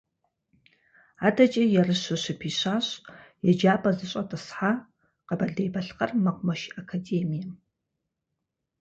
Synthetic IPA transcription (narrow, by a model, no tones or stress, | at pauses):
aːdɐt͡ʃʼɐjɛrɨɕɨɕɪpʰiːɕaːɕjɛd͡ʒaːpʼɐzɨɕʼɐtʼɨsħa | qɐbɐɮdeːjbɐɬqɐrmɐqʷʊmɐʃakʰadeːmijɐm